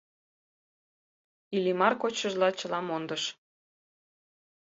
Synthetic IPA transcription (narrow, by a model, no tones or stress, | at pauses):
ilimɑrkot͡ɕəʒlɑt͡ɕəlɑmond̪əʃ